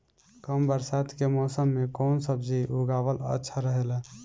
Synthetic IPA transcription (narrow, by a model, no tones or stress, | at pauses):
kəmbəɾsaːd̪kemɔːsəmːekɔːnsəbd͡ʒiʔuɡaːʋələ̰tːʃʰaɾəɦela